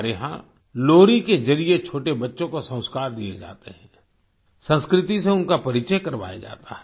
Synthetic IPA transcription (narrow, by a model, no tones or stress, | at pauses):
ɾeɦã̰ | loːɾikezɐɾijet͡ʃʰoːʈebɐtːʃõkosə̃w̃skaːɾd̪iḛd͡ʒa̰ːt̪eɦɛ̃ː | sə̃nskɾɪt̪iseʊnkapɐɾɪt͡ʃəjkɐɾʋa̰ːja̰d͡ʒa̰ːt̪aɦɛ